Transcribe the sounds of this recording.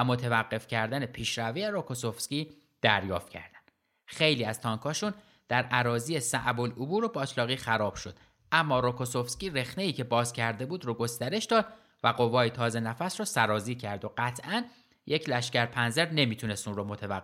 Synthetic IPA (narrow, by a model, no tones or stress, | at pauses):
æmo̞t̪ʰevæɢːe̞fcʰæɾd̪æne̞pʰiːʃɾævejeɾokʰosofscʲiː | d̪̥æɾjɒːft̪̚cʰæ̰ɾd̪̥æn | xe̞jliːæz̥t̪ʰɒːŋkʰɒːʃun | d̪̥æɾʔæɾɒːziːjesæʔbolobuːɾo̞bɒt̪ʰlɒːɣiːxæɾɒːb̥ʃo̞d̪̥ | ʔæmːɒːɾokʰosofscʲiːɾe̞xneiːcʰe̞bɒːzcʰæɾd̪e̞buːd̪ɾoɡo̞st̪æɾe̞ʃd̪ɒːd̪̥ | væɢo̞vɒːjet̪ʰɒːze̞næfæsɾɔːsæɾɒːziːcʰæɾd̪oɢæt̪ʰʔæn | jekcʰlæʃcæɾpʰænzeɾne̞miːt̪ʰune̞st̪unromo̞t̪ʰevæː